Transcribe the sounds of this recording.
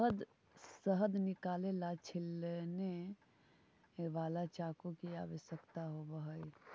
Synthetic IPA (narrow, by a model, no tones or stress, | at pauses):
ɦd̪ | səɦəd̪nɪkaːlelat͡ʃʰɪlne | ʋaːlat͡ʃaːkokia̰ːʋəʃjəkt̪aɦobəɦəi